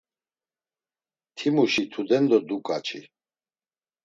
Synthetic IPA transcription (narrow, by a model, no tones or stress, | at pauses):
t̪ʰimuʃit̪ʰud̪ɛnd̪ɔd̪ukʼat͡ʃʰḭ